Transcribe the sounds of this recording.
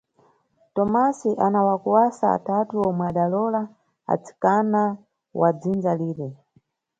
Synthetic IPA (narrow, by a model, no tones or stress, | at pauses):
tɔmasiʔanawakuwasaa̰tatuɔmwɛaɗalɔla | a̰t͡sʰi̥kana | wad͡zinzaliːɾɛ